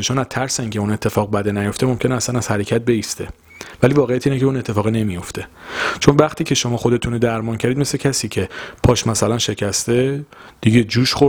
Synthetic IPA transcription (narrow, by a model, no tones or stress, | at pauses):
et͡ʃonæt̪ʰæɾseiːŋcʰeune̞t̪ʰːe̞fɒːɣbæd̪enæjo̞ft̪emo̞mcʰe̞neæsænæz̥hæɾecʰæt̪̚be̞iːst̪e̞ | væliːvɒːɣejæt̪ʰiːnecʰeune̞t̪ʰːe̞fɒːɣine̞mijo̞ft̪ʰe̞t͡ʃʰo̞nvæχt̪ʰiːcʲʰe̞ʃo̞mɒːxo̞d̪e̞t̪ʰunod̪æɾmɒːncʰæɾid̪me̞slecʰæsiːcʰe̞pʰɒʃmæsælænʃe̞cʰæst̪ed̪̥iɟʲe̞d͡ʒuːʃχo